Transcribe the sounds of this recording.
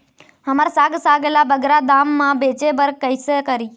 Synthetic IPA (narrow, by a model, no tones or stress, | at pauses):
ɦəmaɾsaɡsaɡelabəɡɾad̪amːãbet͡ʃebəɾkəjsekəɾi